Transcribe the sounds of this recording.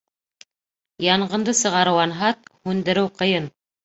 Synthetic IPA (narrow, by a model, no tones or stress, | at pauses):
jɑɴɢɤ̆nd̪ɤsɤ̆ʁɑɾɤ̆wɑnɦɑt̪̚hʉnd̪ɘ̆ɾɘwqɤ̆jɤn